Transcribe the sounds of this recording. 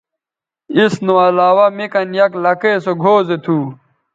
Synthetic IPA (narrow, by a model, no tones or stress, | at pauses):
isnuɐlaːwɐmikɐnjɐklɐkesoɡʱoːzet̪ʰuː